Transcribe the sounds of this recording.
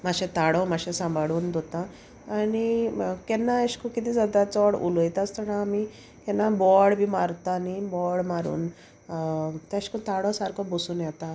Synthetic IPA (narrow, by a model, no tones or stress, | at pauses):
maɕẽt̪aɽɔmaɕẽsãmbʱaɽuːnd̪ot̪ãː | nikɛnːaeɕkukit̪iːd͡zad̪at͡sɔɽṵlojt̪ast̪əɽãami | kɛnːabɔɽbʱiːmaɾt̪aːnibɔɽmaɾṵːn | t̪ẽɕkut̪aɽɔsaɾkɔbosuːnjɛt̪a